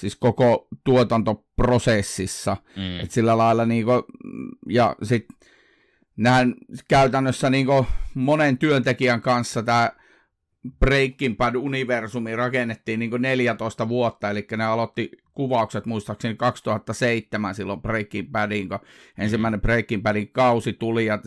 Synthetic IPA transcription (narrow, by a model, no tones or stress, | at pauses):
siskokot̪uot̪ɑnt̪oprosesːisːɑḛt̪silːælɑilːˑɑniːko | jɑ̰sit̪ | nænkæyt̪ænːøsːæniːŋkomonent̪yønt̪ekiæŋkɑnsːɑt̪æː | preikːimpæduniʋersumirɑkenːet̪ːiːnniːŋkoneljæt̪oˑist̪ɑʋuot̪ːɑelikːæneɑlot̪ːikuʋɑˑukset̪muist̪ɑksenikɑkst̪uhɑt̪ːɑseit̪ːemænsilːompreikːimpædiŋkoʔensimːæˑinepreikːimpædikɑusit̪ulijɑ